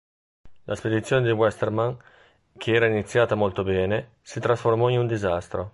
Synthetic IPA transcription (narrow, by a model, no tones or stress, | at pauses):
lʔasped̪it̪sːjoːned̪iwɛst̪erman | kʰeɛːɾainit̪sːjaːt̪amolt̪obɛːne | sit̪ɾasformɔinund̪izast̪ɾo